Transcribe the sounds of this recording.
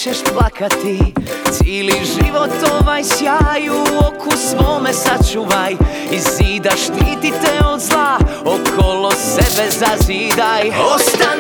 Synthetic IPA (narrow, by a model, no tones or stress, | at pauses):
t͡ʃɛʃplˠakat̪it̪siːliʒiʋo̞t̪oʋajsjaːjuokʰusʋoːmɛsat͡ʃuʋaj | iziːd̪aʃt̪iːt̪it̪ɛo̞d̪zlˠaokʰolosebɛzaziːd̪ajost̪a